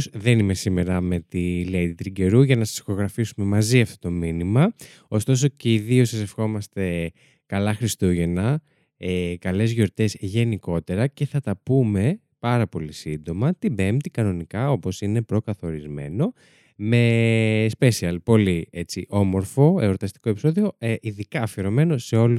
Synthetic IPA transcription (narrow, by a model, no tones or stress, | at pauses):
sðe̞nime̞sime̞ɾɐme̞t̪ilet̪it̪ɾiɟe̞ɾuʝɐnɐsɐ̥sxo̞ɣɾɐfisume̞mɐziɐft̪ot̪o̞minimɐ | o̞st̪o̞s̬o̞ceiðio̞sɐsefxo̞mɐst̪e̞ | kɐlɐxɾist̪uʝe̞nɐ | kɐle̞zʝo̞ɾt̪e̞zʝe̞niko̞t̪e̞ɾɐce̞θɐt̪ɐpume̞ | pɐɾɐpo̞lisind̪o̞mɐt̪ibe̞mt̪ikɐno̞nikɐo̞po̞sine̞pɾo̞kɐθo̞ɾizme̞̰no̞ | me̞spe̞siɐlpo̞lie̞t͡siʔo̞mo̞ɾfo̞eɾo̞t̪ɐst̪i̥ko̞e̞piso̞ðio̞eʔiðikɐːfeɾo̞me̞no̞se̞o̞lu